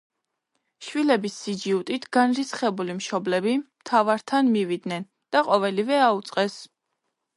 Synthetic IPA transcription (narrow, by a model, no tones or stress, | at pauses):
ʃwilɛbisːid͡ʒiut̪ʼit̪ʰɡ̥anɾisχɛbulimʃɔblɛbimt̪ʰavaɾt̪ʰanmivid̪nɛn | d̪̥aqʼɔvɛlivɛaut̪sʼqʼɛs